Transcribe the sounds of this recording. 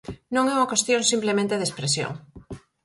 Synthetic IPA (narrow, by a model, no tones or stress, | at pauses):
nõŋɛuŋɐkwest̪jõŋsimplemẽnt̪eðespɾesjo̰ŋ